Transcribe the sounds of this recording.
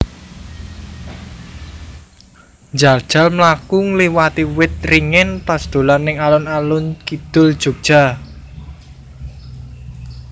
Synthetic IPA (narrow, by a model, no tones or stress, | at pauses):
ɲd͡ʒald̥ʒ̥a̤lmlakʊŋliwat̪iwɪt̪̚riŋɪntasd̪̥o̤lanɪŋalʊnalʊnkid̪̥ʊ̤ld̥ʒ̥o̤k̚d̥ʒ̥a̤